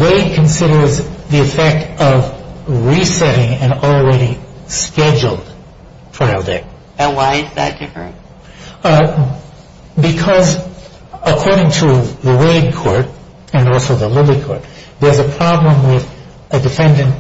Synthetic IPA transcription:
weɪd̚kʰɨ̃nsɪɾə˞zðiɨfɛk̚tʌvɹisɛɾɪ̃ŋɨ̃nl̩ˠɹɛɾiskɛd͡ʒl̩ˠd̥̚ | tʰɹ̥aɪl̩ˠdḛ | ɨ̃nwaɪɨzðɨ̰t̚d̥ɪfɨ̰̃n | bɨkʰʌz | əkʰɔɹɾɪ̃ŋtʰəðəweɪd̚kʰɔɹt̚ | ɨ̃nɔlˠsoʊðəlɪlˠikʰɔ̰ɹt̪̚ | ðə˞zɨpʰɹ̥ɑblə̃mwɪð | ɨdɨfɛ̃ndɨ̃nt

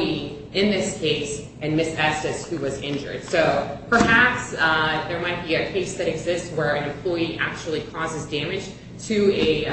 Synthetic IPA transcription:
i | ɨ̃nðɪskʰeɪs | ɨ̃nmɪsɛsɨshʉwʌzɪ̃nd͡ʒə̰˞d̥soʊpʰə˞hæpsðə˞maɪt̚b̥iɨkʰeɪsðɨɾɨɡzɪstswə˞ɨ̃nɨ̃mpʰl̥ɔɪiʔæk̚t͡ʃul̩ˠikʰɔzɨzdæ̃mɨd̥ʒ̥ | tʰɨɨ

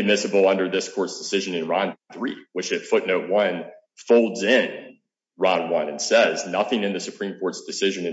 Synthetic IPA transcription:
ɨd̚mɪsɨbl̩ˠʌ̃ndə˞ðɪskʰɔɹtsd̥ɨsɪʒɨ̃nɨ̃nɹɑ̃nθɹiwɨt͡ʃɨtfʊʔⁿnoʊt̚wʌ̃n | foʊlˠdzɪ̃n | ɹɑ̃nwʌ̃nɨ̃nsɛznʌθɪ̃ŋɨ̃nðɨsɨpʰɹ̥ĩmkʰɔɹtsd̥ɨsɪʒɨ̃nɨ̃

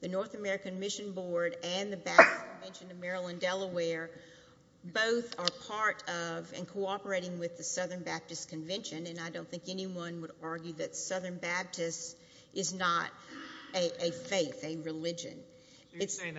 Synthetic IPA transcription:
ðɨnɔɹθɨmɛɹɨkɨ̃nmɪʃɨ̃nbɔɹɾɨ̃nðɨbæb̚tɨskʰɨ̃ɱvɛ̃nʃɨ̃nɨmɛɹəlˠə̃ndɛlˠəwɛɹ | boʊθə˞pʰɑɹɾʌvɨ̰̃nkʰoʊɑpə˞eɪɾɪ̃ŋwɨðɨsʌðə̃˞nbæb̥̚tɨskʰɨ̃ɱvɛ̃nʃɨ̃nɨ̃naɪdõʊ̃nθɪ̃ŋkɛniwʌ̃nwəɾɑɹɡjʉðɨtsʌðə̃˞nbæb̚tʰɨst | ɨznəɾɨʔɨfeɪθɨɹɨlɪd͡ʒɨ̰̃n | ɨts

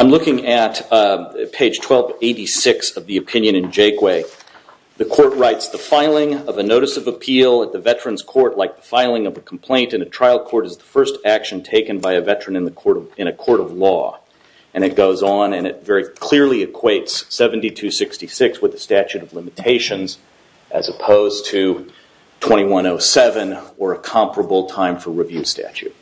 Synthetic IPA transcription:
ãɪ̃mlʊkɪ̃ŋɨt | pʰeɪd̥ʒ̥tʰw̥ɛlˠveɪɾisɪksʌvðiɨpʰɪ̃njɨ̃ñɨ̃nd͡ʒeɪkweɪ | ðɨkʰɔɹt̚ɹaɪtsðəfaɪlˠɪ̃ŋʌvɨnoʊɾɨsʌvəpʰilˠət̪̚ðɨvɛt͡ʃɹ̥ɨ̃nz̥kʰɔɹtˡlaɪk̚ðəfaɪlˠɪ̃ŋʌvəkʰm̩pʰl̥ẽɪ̃ntɨ̃nɨtʰɹ̥aɪl̚ˠkʰɔɹɾɨzðəfɜ˞stækʃɨ̃n̩tʰeɪkɨ̃nbaɪɨvɛt͡ʃɹ̥ɨ̃nɨ̃nðɨkʰɔɹɾʌɨ̃ñɨkʰɔɹɾʌvlɔ̰ | ʔɨ̃ɾ̃ɨt̚ɡ̥oʊzn̩ɨ̃nɨtvɛɹikʰl̥ɪɹlˠiɨkʰw̥eɪtsɛṽn̩titʰʉsɪkstisɪkswəðɨstæt͡ʃʉɾʌvlɪ̃mɨtʰeɪʃɨ̃nz | ʔɨ̰zɨpʰoʊz̥tʰɨ | tʰw̥ɛ̃ɾ̃iwʌ̃noʊsɛvɨ̃nə˞ɨkʰɑ̃mpɹəbl̩ˠtʰãɪ̃ɱfə˞ɹivjʉ̥stæ̰t͡ʃʉ̰t̚

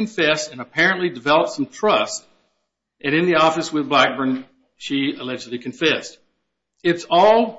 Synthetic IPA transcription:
ɨ̃ɱfɛsɨ̃nəpʰɛɹɨ̃nʔlidɨvɛlˠəp̚tsʌ̃mtʰɹ̥ʌst̚ | ʔɨ̃ñɨ̃nðiɔfɨswɨðblæk̚b̥ə˞n | ʃiɨlɛd͡ʒɨdˡlikʰɨ̃ɱfɛst | ɨtsɔlˠ

